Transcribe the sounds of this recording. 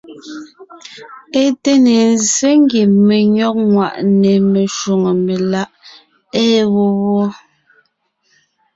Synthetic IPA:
e˦te˦ne˨n˦ze˦ŋ˦ɡi˨me˨ɲɔ˦k̚ŋwa̰˨ʔne˨me˨ʃu˨ŋe˨me˨la˦ʔ | ɛː˦ɣo˦wwɔ˦

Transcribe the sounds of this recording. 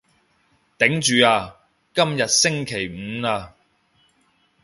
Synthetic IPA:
t̪ɪ˨˥ŋt͡ʃyː˨aː˧ | kɐ˥mjɐ˨t̚sɪ˥ŋkʰe˨˩jm̩˨˧˦aː˧

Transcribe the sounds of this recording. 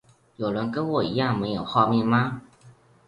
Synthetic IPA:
jo˨˩ʊɻə˧˦˥nkə˥nwɔ˨˩i˧˥jɑ˥˩ŋme˧˥ɪjo˨˩ʊxwɑ˥˧ʊmjɛ˥˧nma˧

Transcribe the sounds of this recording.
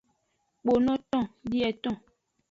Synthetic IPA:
k͡po˨nɔ̃˦tɔ̃˦˨di˦ɛ˨tɔ̃˦˨

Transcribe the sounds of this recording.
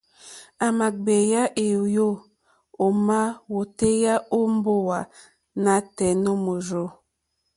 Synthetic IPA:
a˨ma˨ɡ͡be˨ja˦ʔe˨jo˦ | o˨ma˦wo˨te˦ja˦o˦m˦bo˦wa˨ | na˦tɛ˨no˦mo˨ɾo˦

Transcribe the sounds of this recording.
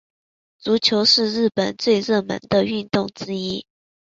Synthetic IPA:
t͡su˧˥t͡ɕʰjo˧˥ʊʂɻ̩˥˧ɻɻ̩˥˩pə˨˩nt͡swe˥˧ɪɻə˥˩mə̰˧˥nd̪ə˧y˥˧nt̪ʊ˥˨ŋʈ͡ʂɻ̩˥i˥

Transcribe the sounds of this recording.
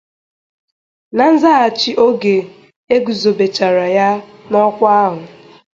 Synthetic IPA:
na˨n̩˦za˦a˨t͡ʃi˦ʔo˦ɡe˨ | e˦ɡu˨zo˨be˨t͡ʃa˨ɾa˨ja˦nɔ˦kʷa˦a˦ɦʊ˨

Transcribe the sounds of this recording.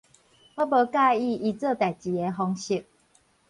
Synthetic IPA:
wɔ˦bə˧˦ka˥˧i˥˧˨i˧t͡sə˥˧˨t̪a˨˩jt͡ɕi˨˦e˧˦ɦɔ˧ŋɕi˧˩k̚

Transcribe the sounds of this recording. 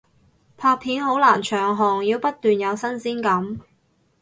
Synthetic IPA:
pʰaː˧pʰiː˨˥nɦo˨˥wlaː˨˩nt͡ʃʰœː˨˩ŋɦɔː˨˩ŋjiː˧wpɐ˥t̚t̪yː˨njɐ˨˧wsɐ˥nsiː˥nkɐ˨˥m

